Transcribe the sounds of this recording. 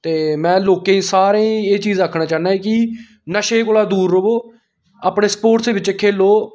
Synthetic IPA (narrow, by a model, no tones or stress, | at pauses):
t̪eːmɛ̃ːloːkẽːĩːsaːɾẽːeːt͡ʃiːzəkʰnãːt͡ʃaːnaːeːkɪ | nəʃeːkoːlaːd̪uːɾːoboː | aːpɳeːspoːʈseːʋɪt͡ʃkʰeːloː